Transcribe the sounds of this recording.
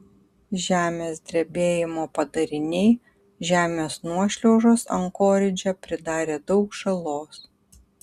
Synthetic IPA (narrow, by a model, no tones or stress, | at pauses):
ʒʲæːmʲeːsd̪ʲɾʲebʲeːjɪmoːpɐd̪ɐɾʲɪnʲɛɪ | ʒʲæːmʲeːsnuɔʃʲlʲoʊʒoːsɐ̰ŋkoːɾʲɪd͡ʒʲɛpʲɾʲɪd̪ɑːɾʲeːd̪ɒʊkʒɐlˠoːs